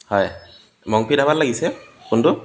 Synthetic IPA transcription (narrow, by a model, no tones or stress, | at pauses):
hɔj | mɔŋpʰidabatlaɡisɛkʊndʊ